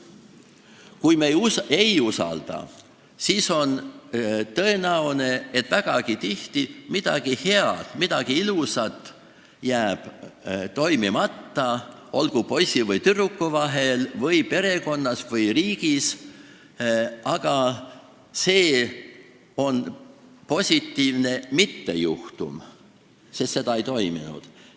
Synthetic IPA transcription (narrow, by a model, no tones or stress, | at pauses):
kujmeje̞jusɑ̰ld̪̥ɑ̰ | siso̞n | t̪ɤ̞e̞næwne̞et̪ˑvæɡ̥ɑɡit̪iht̪imid̪̥ɑ̰ɡ̥ihe̞ɑt̪mid̪̥ɑɡ̥iilusɑt̪ːˑ | jæːb̥t̪o̞jmimɑt̪ːɑ | o̞lɡ̥upo̞sʲivɯjt̪yrukːuvɑɦe̞lvɤjpe̞ɾe̞ko̞nːɑsvɤjɾiːɡ̥is | ɑɡ̥ɑ | se̞ː | o̞npo̞sʲit̪ːiːvne̞mit̪ːe̞juht̪ṵm | sest̪se̞d̪ɑe̞jt̪o̞jmḭnṵd̪̥